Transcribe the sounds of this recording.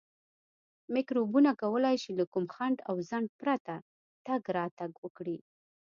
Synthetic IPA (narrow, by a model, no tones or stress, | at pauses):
mɪkɾobunakawəlajʃelakumxaɳɖawzaɳɖ̚pɾat̪a | t̪aɡɾɑt̪aɡwəkɽi